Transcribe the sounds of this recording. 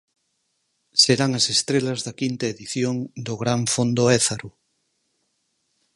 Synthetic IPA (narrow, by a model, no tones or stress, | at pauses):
seɾaŋɐsest̪ɾelɐzðɐkint̪ɐeðiθjoŋd̪oɣɾaɱfond̪oɛθaɾu